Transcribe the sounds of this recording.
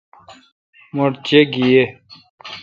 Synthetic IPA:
moɽt͡ɕeɡije

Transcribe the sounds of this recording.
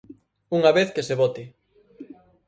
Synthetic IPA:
uŋɐβeθkeseβot̪ɪ

